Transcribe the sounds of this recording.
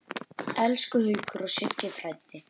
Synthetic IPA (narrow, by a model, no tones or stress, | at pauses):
ɛlskʏhʏːkʏɾɔsɪt̪cɪfʰɾajt̪ːɪ